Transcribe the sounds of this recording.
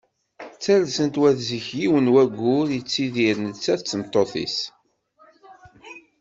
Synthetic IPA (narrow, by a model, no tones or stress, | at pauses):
t͡sːælsənt̪wæðziçjiwənwæɡːʊɾjət͡sːiðiɾnət͡sːæt͡sːəmt̪ˤːoθḭs